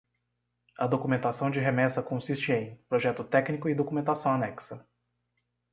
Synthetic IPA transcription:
ɐd̪okumẽnt̪asɐ̃w̃d͡ʒɪɦemɛsɐkõsist͡ʃɪẽj̃pɾoʒɛt̪ʊt̪ɛknikʊɪd̪okumẽnt̪asɐ̃w̃anɛksɐ

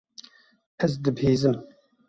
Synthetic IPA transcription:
ɛzd̪ɨbheːzɨm

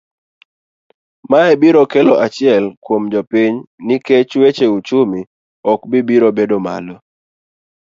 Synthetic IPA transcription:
maɛbiɾokɛlɔʔat͡ʃɪɛlkwomd͡ʒɔpiɲniket͡ʃwet͡ʃeut͡ʃumi | ɔkbibiɾobedoma̰lɔ

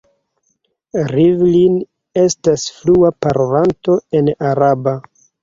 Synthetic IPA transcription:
ɾivlin | e̞stasfluapaɾʔovanto̞e̞naɾaba

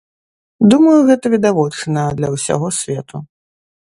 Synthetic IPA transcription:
d̪umɐjuɣɛt̪ɐvʲid̪avɔt͡ʂnɐd̪lʲɐwsʲa̰ɣɔsʲvʲɛt̪u

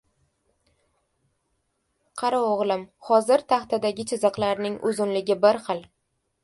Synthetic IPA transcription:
qʰɑɾaoʁlˠɪmhɒzɪɾt̪ʰaχt̪ad̪aɡʲɪt͡ʃʰɪzɨqlˠaɾnɪŋʔʊzʊnlɪɡʲɪbɪɾχɨlˠ

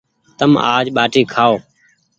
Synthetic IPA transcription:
t̪əma̰ːd͡ʒɓaːʈiːkʰaːoː

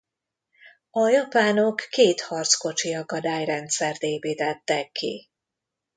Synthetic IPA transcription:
ɒjɒpaːnokːeːt̪hɒrt̪sko̞t͡ʃiɒɡ̚ɒd̪aːjrɛnt̪sɛrt̪eːpiːt̪ɛt̪ːɛkʰːḭ

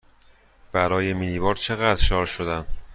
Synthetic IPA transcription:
b̥æɾɒːjeminlibɒːɾt͡ʃʰe̞ɣæd̪ɾʃɒːɾʃod̪æm

